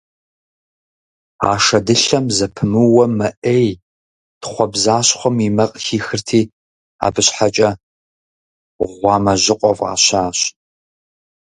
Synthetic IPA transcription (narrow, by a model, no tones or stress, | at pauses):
a̰ːʂɐdɨɬɐmzɐpʰɨmɨwɐmɐʔej | tχʷɔbzaːɕχʷɔmimɐqʼxiːxɨrtʰiː | a̰ːbɨɕħat͡ʃʼɐ | ʁʷɑːmɐʑɪqʷʼɔva̰ːɕaːɕ